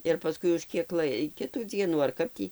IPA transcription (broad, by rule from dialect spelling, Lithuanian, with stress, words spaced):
ɪr pɐˈskʊɪ ʊʃ ˈkʲiɛk ˈlˠɐɪ ˈkʲɪtuː ˈd͡zʲiɛnuː ɐr ˈkɐp tʲiː